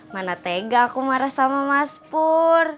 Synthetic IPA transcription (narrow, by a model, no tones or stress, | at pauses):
manat̪eɡaːkumaɾahsamamaspur